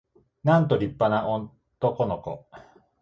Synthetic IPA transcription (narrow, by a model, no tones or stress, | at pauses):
nãnt̪o̞ɾʲipːanaʔo | t̪oko̞noko̰